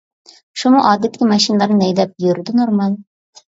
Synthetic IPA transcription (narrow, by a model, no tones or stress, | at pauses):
ʃumuʔɑːd̪ɪt̪ʰːɪkʲimɛʃinlˠaɾnɪnɛjd̪ɛp̚jøɾɪd̪ɪnoɾmɑlˠ